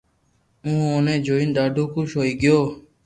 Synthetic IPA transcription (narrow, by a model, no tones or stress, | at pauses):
ũːoːnẽːd͡ʒoːiːnd̪aːɖʱõːkũːʃoːiːɡɪjoː